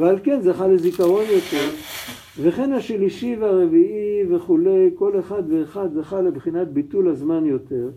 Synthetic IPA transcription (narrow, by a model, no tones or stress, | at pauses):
vealke̞nzaχalezikaʁo̞njo̞t̪e̞ʁ | ve̞χe̞naʃliʃivaʁe̞viʔive̞χule̞jko̞leχad̪veːχad̪zaχalebχinat̪̚bit̪ulazmanjo̞t̪e̞ʁ